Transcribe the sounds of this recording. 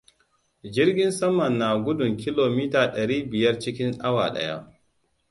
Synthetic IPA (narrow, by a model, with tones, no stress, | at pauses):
d͡ʒɪ˦rɡʲɪ˦nsɐ˦mɐ˨nːaː˨ɡʷʊ˦dʊ˨ŋkʲɪ˦loː˨miː˦taː˨ɗɐ˨ɽiː˦bɪ˨jɐ˦rt͡ʃɪ˦kʲɪ˦ŋʔa˦wa̰ː˨ɗɐ̰˦ja̰˦